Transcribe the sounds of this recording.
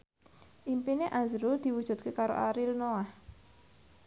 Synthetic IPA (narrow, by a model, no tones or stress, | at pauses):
ʔimpineʔazɾud̪̥i̤wud̥ʒ̥ṳt̪̚kekaɾo̰ʔa̰ɾilnoah